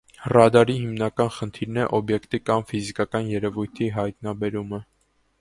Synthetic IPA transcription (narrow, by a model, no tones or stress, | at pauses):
rɑd̪ɑɾiɦimnɑkɑnχənt̪ʰiɾnɛʔɔbjɛkt̪ikɑmfizikɑkɑnjɛɾɛvujt̪ʰiɦɑjt̪nɑbɛɾumə